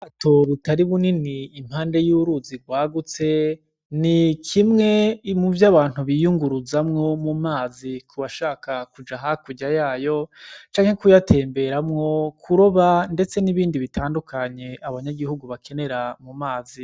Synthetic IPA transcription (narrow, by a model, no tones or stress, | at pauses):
aːto̞βutaɾiβuniniːm̥haːnde̞juɾuziɡwaːɡut͡se̞ | nikʰimŋe̞muvjaβaːn̥uβijuŋɡuɾuzamŋo̞mumaːzikʰuβaʃaːkakud͡ʒaɦakuɟajaːjo̞t͡ʃaːŋhe̞kujatʰe̞ːmbe̞ɾamŋo̞kʰuɾoβande̞t͡se̞niβiːndiβitʰaːndukʰaɲe̞aβaɲaɡihuɡuβakʰe̞ne̞ɾamumaːzi